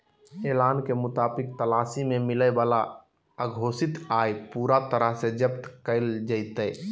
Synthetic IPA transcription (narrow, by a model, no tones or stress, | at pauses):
eːlaːnkemʊt̪aːbɪk̚t̪əlaːsimemɪləbaːla | əɡʱoːsɪt̪aːjpuːɾat̪əɾəɦsed͡ʒəpt̪kəɪld͡ʒəɪt̪ə